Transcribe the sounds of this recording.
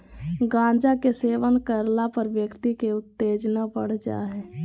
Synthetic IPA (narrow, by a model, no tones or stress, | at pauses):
ɡãːd͡ʒakeseːʋənkəɾlapəɾʋjəkt̪ikeʊt̪ːeːd͡ʒnapəɽ̤d͡ʒa̰ɦɛː